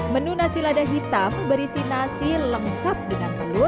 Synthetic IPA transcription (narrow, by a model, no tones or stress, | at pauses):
mənunasiladaɦit̪ambəɾisinasiləŋkap̚dəŋant̪əlʊ